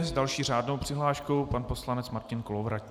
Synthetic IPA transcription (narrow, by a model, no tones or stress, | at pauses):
zdalʃiːr̝aːdno̞wpr̝̥ɪɦlaːʃko̞wpanpo̞slanɛt͡smaɾcɪnkolovɾac